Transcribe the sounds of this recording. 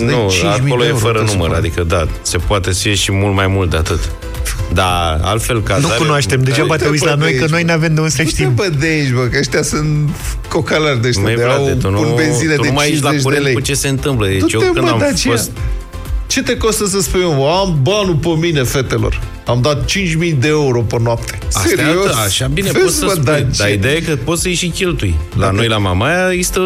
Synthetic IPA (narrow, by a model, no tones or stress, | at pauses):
nd̪eut͡ʃĩamiolojefəɾənumə̰ɾa̰d̪ikəd̪a | se̞poat̪esieʃimult̪majmult̪̚d̪eat̪ɨt̪ | d̪aa̰lfe̞lkanukunoaʃt̪emd̪eʒabat̪eujslano̞jkəno̞jneave̞md̪eunseʃt̪imbəd̪eʃbəkəeʃt̪ʲasɨnt̪ | ko̞kalarʲd̪eʃaed̪eawetununbenzined̪emaeʃlaeʃ̬ɾelejt͡ʃeseɨnt̪ɨmpləet̪ut͡ʃjot̪anɐamd̪at͡ʃeost̪ | t͡ʃe̞t̪e̞ko̞st̪əs̬əspuj̪emambanupəmine̞fe̞t̪e̞lo̞̰r | amd̪at̪̚t͡ʃint͡ʃʲmijd̪eeuɾo̞pənoapt̪ʰe̥aseɾiosaʃabinepfeoəd̪at͡ʃd̪aid̪eajekəpo̞t̪səjeʃikʲe̞lt̪ujla̰no̞jlama̰majaist̪ə